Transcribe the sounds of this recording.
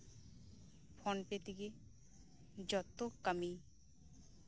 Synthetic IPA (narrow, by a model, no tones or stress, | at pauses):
fʰɔnpet̪ike | d͡ʑɔt̪ːokami